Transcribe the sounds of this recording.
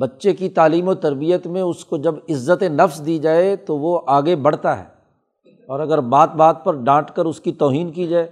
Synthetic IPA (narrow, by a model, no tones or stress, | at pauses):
bɐtːʃekit̪aːliːmoːt̪ɐɾbijət̪mẽʊskod͡ʒɐbɪzːət̪enɐfsd̪id͡ʒaːet̪oʋoʔaːɡebɐɽ̤t̪aɦɛ̰ː | ɔːɾɐɡəɾbaːt̪̚baːt̪̚pɐɾɖãːʈkəɾʊskit̪ɔːɦiːnkid͡ʒaːeː